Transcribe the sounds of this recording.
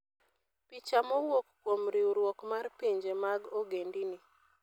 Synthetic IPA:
pit͡ʃamɔwokːomɾiuɾwokmarpiɲd͡ʒemaɡoɡendini

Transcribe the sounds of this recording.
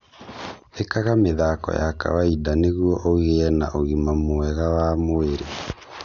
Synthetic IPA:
ekaɣameðakɔ̰jaka̰waidaneɣwɔʔoɣeɛna̰ʔoɣimamoɛɣawamoeɾe

